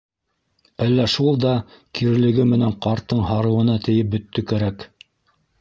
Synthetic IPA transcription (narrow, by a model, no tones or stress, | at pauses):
ælːæʃulˠd̪ɑkiɾɘ̆lɘ̆ɡɘmɘ̆næɴqɑɾt̪ːɤɴɦɑɾɤ̆wɤ̆nɑt̪ɘ̆jɘp̚bɵ̆t̪ːɵkæɾæk